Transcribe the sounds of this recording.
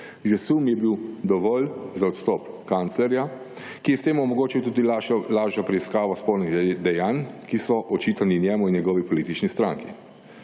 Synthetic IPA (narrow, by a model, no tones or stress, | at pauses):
ʒɛsumjɛbiwd̪ɔʋɔːlzaɔt̪st̪ɔpkant̪slɛɾja | kijɛst̪eːmɔmɔɡoːt͡ʃiwt̪uːd̪ilaːʒapɾɛiskaːʋaspoːlniɣd̪ɛjaːnkisɔʔɔt͡ʃiːt̪aninjɛːmuinjɛɡɔːʋipɔliːt̪it͡ʃnist̪ɾa̰ŋkḭ